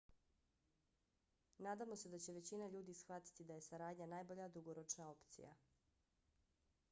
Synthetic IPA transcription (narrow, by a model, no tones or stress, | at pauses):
naːd̪amo̞se̞d̪at͡ɕe̞ʋe̞t͡ɕinaʎuːd̪isxʋat̪i̥t̪id̪aje̞saɾaːd̪ɲanaːjbo̞ʎad̪uɡo̞ɾo̞t͡ʃnao̞pt̪sḭja̰